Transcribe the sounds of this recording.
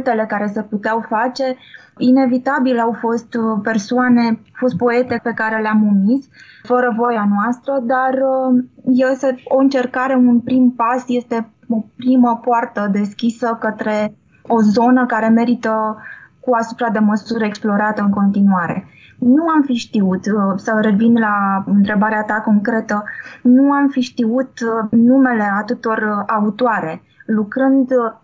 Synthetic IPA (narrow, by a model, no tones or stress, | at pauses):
t̪e̞le̞kaɾe̞seput̪eawfat͡ʃe̞ | ine̞vit̪abilawfo̞st̪pe̞rsuane̞fo̞st̪̚po̞e̞t̪e̞pe̞kaɾe̞leamumis | fəɾəvo̞janoast̪ɾəd̪ar | jeseo̞ɨnt͡ʃe̞rkaɾe̞unpɾimpasje̞st̪e̞ | o̞pɾiməpoart̪əd̪e̞skʲisəkət̪ɾe̞ | o̞zo̞nəkaɾe̞me̞ɾit̪əkuasupɾad̪e̞məsuɾeksplo̞ɾat̪əɨŋko̞nt̪inuaɾe̞ | nuamfiʃt̪iut̪səwre̞vinlaɨnt̪ɾe̞baɾeat̪ako̞ŋkɾe̞t̪ənuamfiʃt̪iut̪nume̞le̞at̪ɨt̪oraut̪oaɾe̞ | lukɾɨnd̪